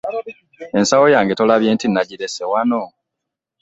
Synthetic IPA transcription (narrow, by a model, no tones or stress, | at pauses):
e̞nsawojaːŋɡe̞to̞laβje̞ːntinːaɟiɾesewano̞